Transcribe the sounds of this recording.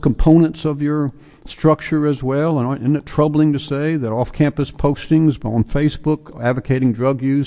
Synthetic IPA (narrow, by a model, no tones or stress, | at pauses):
km̩pʰõʊ̃nɨ̃ntsʌvjə˞ | stɹ̥ʌk̚t͡ʃə˞ɨzwɛlˠə̃naɪ̃nɨtʰɹ̥ʌbl̩ˠɪ̃ŋtɨseɪðɨɾɔfkʰæ̃mpɨspʰoʊstɪ̃ŋz̃n̩feɪsb̥ʊkædvɨkʰeɪɾɪ̃ŋdɹʌɡjʉz̥